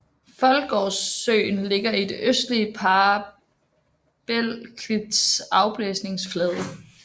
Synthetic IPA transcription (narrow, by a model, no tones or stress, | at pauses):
fɒ̽lɡ̥ɒːsːø̰ːnle̝ɡ̥ɐid̥e̝ʔøsd̥liəpʰɑ | b̥el̰kʰid̥sɑ̈ʊb̥lesne̝ŋsflɛːðˠə